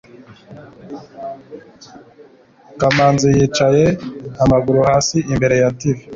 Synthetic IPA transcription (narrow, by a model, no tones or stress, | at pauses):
kamaːnzijiːt͡ʃaje̞amaɡuɾuhaːsiʔimbe̞ɾe̞jativi